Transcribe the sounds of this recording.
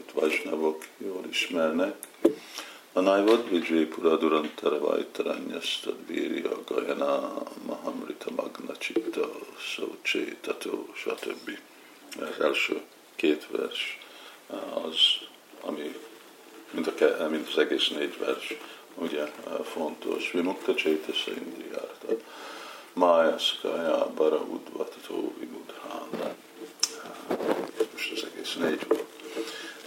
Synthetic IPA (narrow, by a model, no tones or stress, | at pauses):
it̪ʋɑʒnɑvokjoːliʃmɛrnɛk | ɒnajvod̪ʋid͡ʒeːpuɾɒd̪uɾɑnt̪ʰɛɾɛva̰jt̪ɑɾɛ̰ɲːɛst̪od̪viːɾioɡɒjɛnamaɦɑmrit̪ʰɑmɑɡnɑt͡ʃit̪ːɒsoṵt͡ʃeːt̪ɑt̪ʰoːʃɒt̪ʰøbːi | ɛzɛlʃøː | keːt̪ʋɛ̰rʃ | ɒz | ɒ̰mi | mint̪ɒkɛmint̪ɒzɛɡeːsneːɟʋɛrʃ | uɟɛfo̞nt̪o̞̰ʃʋimut̪ːɑt͡ʃeːt̪ɛsɛ̰ḭnd̪ija̰ːrt̪ɑt̪ | maːjaskajaːbɑɾɒud̪ʋɑt̪t̪ʰoːvimud̪haːnɑ | moʃɒzɛɡeːsneːɟu